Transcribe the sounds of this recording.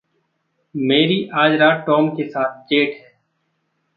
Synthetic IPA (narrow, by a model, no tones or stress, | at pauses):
meːɾiːʔaːd͡ʒɾaːʈoːmkesaːt̪̚ʰd͡ʒeːʈʰɦɛː